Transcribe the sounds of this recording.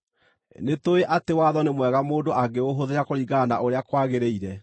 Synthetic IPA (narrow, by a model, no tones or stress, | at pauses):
netoeʔatewaðɔnemwɛɣamoːdoʔaɡeoɦoðeɾakoɾiɣanaʔoɾeakwaɣeɾeiɾɛ